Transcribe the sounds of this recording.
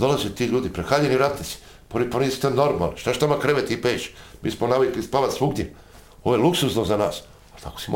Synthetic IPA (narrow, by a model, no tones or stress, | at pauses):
d̪o̞lazet̪iːʎuːd̪ipɾexaːʎeniɾat̪esi̥ | poɾiponisi̥t̪enoɾma̰lʃt̪at͡ʃt̪amakɾeʋet̪ipeːʃi̥mḭːsmonaʋiklispaʋat̪sʋuɡd̪je | o̞ʋojeluksusnozanaːs | at̪a̰ko̥sim